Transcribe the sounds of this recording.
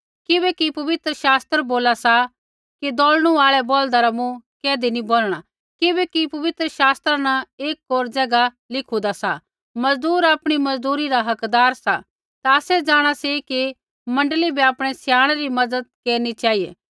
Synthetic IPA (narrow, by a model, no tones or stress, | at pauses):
kɪbɛkipɐʋɪt̪ɾəʃaːst̪ɾboːlasa | kid̪oːlɽ̃uaːɭɛboːld̪aɾamũkɛːd̪iniboːlɽ̃a | kɪbɛkipɐʋɪt̪ɾəʃaːst̪ɾanaeːkːoːɾd͡zɛːɡa | lɪkʰud̪asa̰ | mɐzd̪uːɾaːpɽ̃imɐzd̪uːɾiɾaɦɐkd̪aːɾsa̰ | t̪aːsɛd͡ʒaːɽ̃aseki | mɐ̃ɳɖlibʱiaːpɽ̃ɛsjaːɽ̃ɾimɐd̪əd̪̚keːɾnit͡ʃaːijḛː